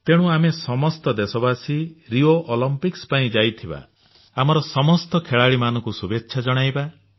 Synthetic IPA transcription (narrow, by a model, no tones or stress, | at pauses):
t̪eɽ̃ũamesɔmɔst̪ɔd̪esɔbasiɾioʔolɔmpikspaĩd͡ʒajt̪ʰiba̰ | amɔɾɔsɔmɔst̪ɔkʰeɭaɭimanɔŋkusubetːʃʰad͡ʒɔɽ̃ajba